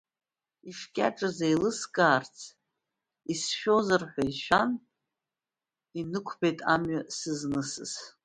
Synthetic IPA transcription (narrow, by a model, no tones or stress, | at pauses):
iʂkʲʼaʈ͡ʂʼɨzejlɨskʼaːrt͡sʰ | isʃᶣozɨrħʷᶣaiʃᶣan | inɨkʷʰpʰejtʼa̰mɥasɨznɨsɨ̰s